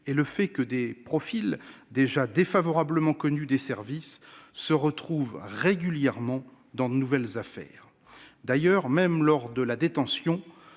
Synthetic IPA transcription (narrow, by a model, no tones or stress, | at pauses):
eləfɛkəd̪epχɔfil | d̪eʒad̪efavɔʁabləmɑ̃kɔnyd̪esɛʁvisːəʁət̪χuvʁeɡʲyljɛʁmɑ̃ | d̪ɑ̃d̪ənuvɛlzafɛ̰ːʁ | d̪ajœʁmɛmlɔʁd̪əlad̪et̪ɑ̃sjɔ̃